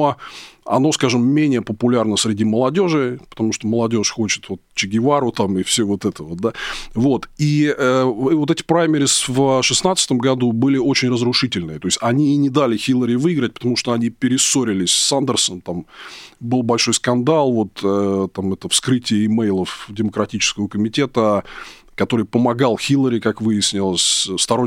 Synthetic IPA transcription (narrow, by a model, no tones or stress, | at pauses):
oɐ̰no̞skaʐɨmːʲenʲɪjəpəpʊlʲarnəsɾʲɪdʲiməlˠɐdʲo̞ʐɨpət̪ɐmuʂt̪oməlˠɐdʲo̞ʂxo̞t͡ɕɪ̥t̪vo̞t̪t͡ɕɪɡʲɪvaɾʊt̪amɨfsʲovo̞t̪ɛt̪əvot̪̚d̪avo̞t̪iəvot̪ɛtʲɪ̥pɾajmʲɪɾʲɪsvʂɨsnat̪sɨ̥t̪əmɡɐd̪ubɨlʲɪo̞t͡ɕɪnʲrəzɾʊʂɨtʲɪlʲnɨt̪o̞ɪsʲtʲɐnʲiːnʲɪd̪alʲɪxʲilˠːəɾʲɪvɨɡɾətʲpə̥t̪ɐmuʂt̪oɐnʲipʲɪɾʲɪsoɾʲɪlʲɪsʲsand̪ʲərsənt̪ambɨlˠbɐlʲʂo̞jskɐnd̪alˠvo̞t̪ət̪ːamɛt̪əfskɾɨtʲɪjəɪmɛjlˠəfdʲɪməkɾɐtʲit͡ɕɪ̥skəvəkəmʲɪtʲe̞t̪ə | kɐt̪o̞ɾɨjpəmɐɡalˠxʲilˠəɾʲɪkakvɨjɪsʲnʲɪlˠəsʲst̪ɐɾo